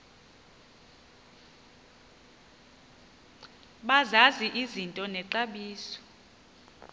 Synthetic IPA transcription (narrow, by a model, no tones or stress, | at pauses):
ɓazaziʔizintʼɔnɛǀaɓiːsɔ̥